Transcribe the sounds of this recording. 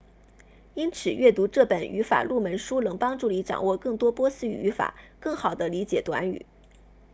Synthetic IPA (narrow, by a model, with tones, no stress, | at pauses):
i˥nt͡sʰɹ̩˨˩ɥʔɛ˥˩t̪u˧˥ʈ͡ʂɤ˥˩pə˨˩ny̰˧˥fa̰˨˩lu˥˩mə˧˥nʂu˥lɤ˧˥ŋpɑ˥ŋʈ͡ʂu˥˩li˧˥ʈ͡ʂɑ̰˨˩ŋwɔ˥˧kɤ˥˩ŋt̪wɔ˥pwɔ˥sɹ̩˥y˨˩y˧˥fa̰˨˩˦kɤ˥˩ŋxɑ˨˩ʊd̪ə˦li˧˥t͡ɕjɛ˨˩t̪wa̰˧˥ny̰˨˩˦